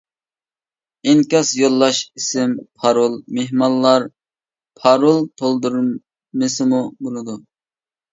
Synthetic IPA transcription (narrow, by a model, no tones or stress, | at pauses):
ɪŋkʲɑsjolˠːɑʃisɪmpʰɑɾolˠmeɦmɑlːɑɾ | pʰɑɾolˠt̪ʰolˠd̪uɾ | mɨsɪmubolˠɨd̪u